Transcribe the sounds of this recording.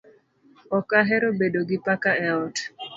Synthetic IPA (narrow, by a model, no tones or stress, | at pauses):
ɔkaɦɛɾobedoɡɪpakaɛɔt